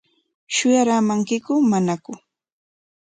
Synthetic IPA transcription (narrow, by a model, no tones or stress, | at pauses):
ʃʊjaɾaːmaŋkɪkʊmanakʊ